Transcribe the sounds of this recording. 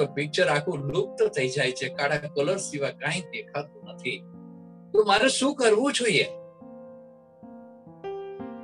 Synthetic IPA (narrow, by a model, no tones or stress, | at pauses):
opɪk̚t͡ʃəɾakʰũlʊk̚t̪ət̪ʰəid͡ʒajt͡ʃʰekaɽakələɾsiʋakãĩd̪ekʰat̪ũnət̪ʰi | t̪ũmaɾeʃũkəɾʋũd͡ʒoie